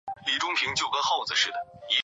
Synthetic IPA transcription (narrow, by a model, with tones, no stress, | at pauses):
li˨˩ʈ͡ʂʊ˥ŋpʰi˧˥ŋt͡ɕjo˥˩ʊkɤ˥xo˥˩ʊd͡zɹ̩˩ʂɻ̩˥˩d̪ə˩i˧˥